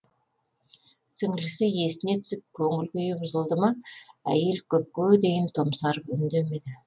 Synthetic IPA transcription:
sɪŋlɪsɪje̞st̪ɪne̞t̪ʰʏ̥sɪp̚kʲʰɵŋɪlkʲejɪbʊzəlˠd̪əmɑæ̰je̞lkʲʰɵp̚kʲød̪e̞jɪnt̪ʰomsɑɾəpʏnd̪e̞me̞d̪ɪ

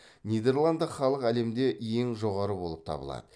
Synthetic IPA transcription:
nijd̪e̞ɾlˠand̪əχɑlˠəqæle̞md̪e̞ʔje̞ŋʒo̞ʁɑɾəbo̞lˠəp̚t̪ʰɑ̰bəlˠɑ̰d̪̥ə

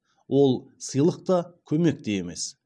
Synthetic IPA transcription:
wo̞lˠsəjlˠəq̚t̪ɑkʲʰɵme̞k̚t̪e̞jeme̞s

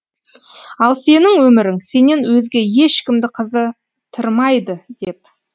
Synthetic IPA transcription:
ɑlˠse̞nɪŋwɵmɪɾɪŋse̞ne̞nwɵzɡʲe̞je̞ʃkʲɪmd̪ɪqʰəzə | t̪ʰəɾmɑjd̪əd̪e̞p

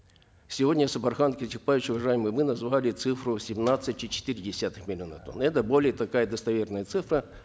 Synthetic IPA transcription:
sʲɪvodʲnʲəsəpɐrxankʲɪtʲɪxpajʲɪɕʊvɐʐajɪmɨjmɨnɐzvalʲɪt̪sɨfɾʊsʲɪmnat̪sɨtʲt͡ʃɪt͡ɕɪ̥t̪ɨɾʲdʲɪsʲat̪ɨxmʲɪlʲɪo̞nə̰t̪o̞̰nɛt̪əbo̞lʲɪjət̪ɐkajəd̪əst̪ɐvʲe̞rnəjət̪sɨfɾə

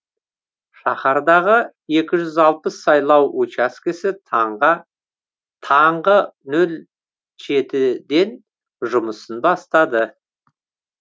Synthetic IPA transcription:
ʃɑχɑɾd̪ɑʁə | je̞kʲɪʒʏzɑlˠpəsːɑjlˠɑwot͡ʃɑskʲɪsɪ | t̪ʰɑɴʁənɵl | ʒe̞t̪ɪd̪e̞n | ʒʊməsənbɑst̪ɑd̪ə

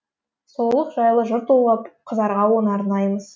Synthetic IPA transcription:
so̞lˠəqʒɑjlˠəʒʊɾt̪olˠʁɑpqʰəzɑɾʁɑwonɑɾnɑjməz̥

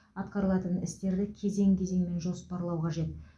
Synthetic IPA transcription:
ɑt̪qɑɾəlˠɑt̪ənɪst̪e̞ɾd̪ɪkʲʰe̞ze̞ŋkʲʰe̞ze̞ŋme̞nʒo̞spɑɾlˠɑwqʰɑʒe̞t̪̚

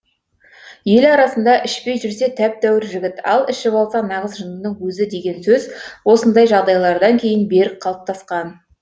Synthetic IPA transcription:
je̞lɑɾɑsənd̪ɑʔɪʃpe̞jʒʏɾse̞t̪ʰæp̚d̪æwɪɾʒɪɡʲɪt̪ɑ̰lˠɪʃɪbolˠsɑnɑʁəzʒənənəɴwɵzɪd̪e̞ɡʲe̞nsɵzwo̞sənd̪ɑjʒɑʁd̪ɑjlˠɑɾd̪ɑŋkʲʰe̞jɪnbe̞ɾɪk̚qʰɑlˠəp̚t̪ʰɑsqɑn

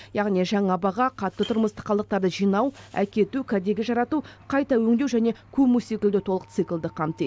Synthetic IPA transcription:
jɑʁnijʒɑɴɑbɑʁɑqʰɑt̪ːət̪ʰʊɾməst̪ə̥qʰːɑlˠd̪əq̚t̪ɑɾd̪əʒijnɑwæ̰kʲe̞t̪ukʲʰæd̪e̞ɡʲɪʒɑɾɑt̪uqʰɑjt̪ɑwɵŋd̪e̞wʒæne̞kʲʰɵpmuse̞kʲɪld̪ɪt̪ʰo̞lˠəqt̪sɨklˠd̪əqʰɑmt̪e

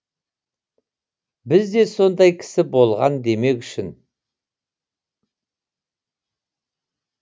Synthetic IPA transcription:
bɪzd̪e̞so̞nd̪ɑjkʲʰɪ̥sɪbo̞lˠʁɑnd̪e̞me̞kʲʏʃɪn

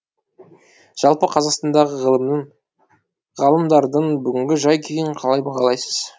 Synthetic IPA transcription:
ʒ̥ɑlˠpəqʰɑzɑqst̪ɑnd̪ɑʁəʁəlˠəməɴ | ʁɑlˠəmd̪ɑɾd̪əɴbʏɡʲɪŋɡʲɪʒɑjkʲʰejɪɴqʰɑlˠɑjbɑʁɑlˠɑjsəz̥

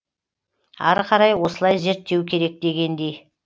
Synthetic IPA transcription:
ɑ̰ɾqʰɑɾɑjwo̞səlˠɑjze̞ɾt̪ːe̞wkʲʰe̞ɾe̞k̚d̪e̞ɡʲe̞nd̪e̞j

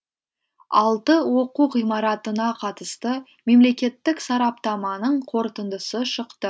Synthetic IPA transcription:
ɑ̰lˠt̪əwo̞quqijmɑɾɑt̪ənɑqʰɑt̪əst̪ə | me̞mle̞kʲe̞t̪ːɪksɑɾɑp̚t̪ɑmɑnəɴqʰo̞ɾt̪ənd̪əsəʃəqt̪ə

